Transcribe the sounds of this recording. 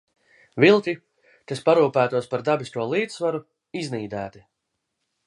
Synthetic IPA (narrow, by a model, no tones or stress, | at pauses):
vilˠt̪ʲi | kaspaɾuːpæːt̪uɔspaɾd̪abist̪uɔlˠiːd̪svaɾu | izniːd̪æːt̪i